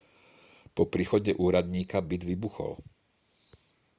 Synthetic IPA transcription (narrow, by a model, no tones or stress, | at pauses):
pɔpɾiːxɔɟɛʔuːɾad̪ɲiːkabid̪ʋibuxɔ̰l